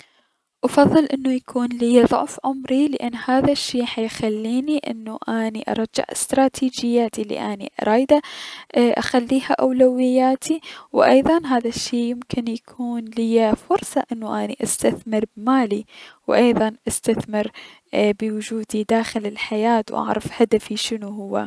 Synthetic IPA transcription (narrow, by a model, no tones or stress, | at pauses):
ʔɑfɑðˤːɨlʔɪnːujakʰuːnlɪjaðˤʊ̰ʕfʕʊmɾilɪʔanːhaːðaʃːiːħajxalːiːniʔɪ̰nːuʔaːniʔɑ̰ɾˤɑd͡ʒːɪ̰ʕɪ̰st̪ɾˤɑːt̪ʰiːd͡ʒɪjːaːt̪ilḭʔaːnḭʔɑ̰ɾˤɑːjd̪a | ʔa̰xalːiːhaʔawlawɪjːaːt̪ʰiwʔɑ̰jðˤɑnɦaːðaʃːeːjɪmkɪnjakʰuːnlɪjːafʊɾˤsˤɑʔɪnːuʔaniʔast̪aθmɪɾbmaːliwʔɑjðˤɑnʔast̪aθmɪɾ | bɪwʊd͡ʒuːd̪id̪aːxɪlɪlħajaːt̪wʔɑ̰ʕɾˤɑfhad̪afiʃɪnuɦʊwːa̰